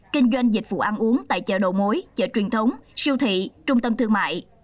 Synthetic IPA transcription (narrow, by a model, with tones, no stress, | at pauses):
kï˧ŋ̟zwa˧jŋ̟zï˨˩k̚vṵ˧˨ʔaː˧nʔu˨˦əŋt̪a̰ː˧˨jt͡ɕə̰ː˧˨˩ɗo̰˧˨mo˨˦jt͡ɕə̰ː˧˩t͡ɕwi˨˩ənt̪ʰə˨˦wŋ͡msi˧əwt̪ʰḭ˧˨t͡ɕʊ˧ŋ͡mt̪ə˧mt̪ʰɨ˧əma̰ː˧˨j